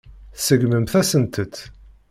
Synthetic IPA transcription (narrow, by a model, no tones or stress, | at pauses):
θsəɡməmθæsənt̪ət̪